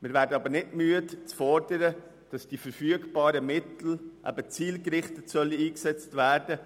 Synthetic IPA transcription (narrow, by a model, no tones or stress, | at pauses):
mɪɾvæːɾdəɑbəɾnɪdmyətt͡sfɔɾdəɾə | d̥ɑsd̥ifəɾfyəɡb̥ɑːɾəmɪtl̩ʔæ̰bət͡siːlkɾɪχtətsœliiːksɛt͡stvæːɾd̥ə